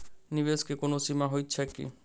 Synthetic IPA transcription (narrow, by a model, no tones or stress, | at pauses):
niβeskekonosimaɦojːt͡ɕʰekḭ